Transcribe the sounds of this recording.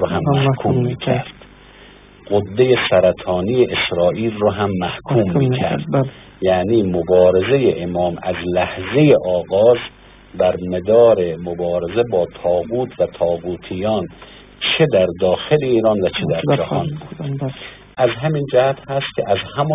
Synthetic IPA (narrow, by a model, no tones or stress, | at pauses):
oɦæmːæhkʰuːmːiːkʰæɾd̪̥ | ɡ̥od̪ːejesæɾæt̪ʰɒːnijeʔesɾɒːʔiːlroɦæmːæhkʰuːmːiːkʰæ̰ɾd̪̥ | jæːniːmobɒːɾe̞ze̞jeʔemɒːmæzlæhzejeʔɒːɣɒːz | bæɾmed̪ɒːɾemobɒːɾezebɒːt̪ʰɒːɣuːt̪ʰvæt̪ʰɒːɣuːt̪ʰijɒːn | t͡ʃʰed̪æɾd̪ɒːxeleiːɾɒːnvæt͡ʃʰed̪æɾd͡ʒæhɒnbu | ʔæzɦæmiːnd͡ʒæhæt̪hæst̪kʰʲḛʔæzhæmɒ